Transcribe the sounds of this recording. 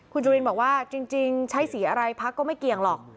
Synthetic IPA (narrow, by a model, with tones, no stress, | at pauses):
kʰu˧nt͡ɕuː˧ɾi˧nbɔː˨˩k̚waː˥˩t͡ɕi˧ŋt͡ɕi˧ŋt͡ɕʰa˦˥jsiː˩˦ʔa˧ɾa˧jpʰa˧˦˥kːɔː˥˩ma˥˩jki˨˩əŋlɔː˨˩k̚